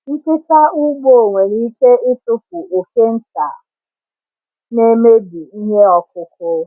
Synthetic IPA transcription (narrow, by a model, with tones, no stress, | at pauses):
n̩˦kɪ˦sa˦ʊ˦ɡ͡bo˦˨o˨ŋʷe˨ɾi˦ke˦ɪ˦tʊ˦p̚ʊ˨o˨ke˦n̩˦ta̰˨ | ne˦me˦di˨i˦ɲe˦ɔ˨k̚ʊ˦kʊ˦